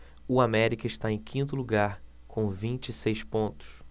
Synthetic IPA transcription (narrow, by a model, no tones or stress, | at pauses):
ʊamɛɾikɐɪʃt̪aẽj̃kʰĩnt̪ʊluɡaɾ | kʰõw̃vĩnt͡ʃisejspõnt̪ʊ̥s